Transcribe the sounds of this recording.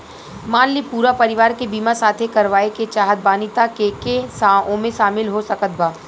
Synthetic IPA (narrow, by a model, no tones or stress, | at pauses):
maːnlipuːɾapɐɾɪʋaːɾkebiːmasaːt̪ʰekɐɾʋaːeket͡ʃaːɦət̪̚baːnɪt̪akekesaõmẽʃaːmɪlɦosɐkət̪̚baː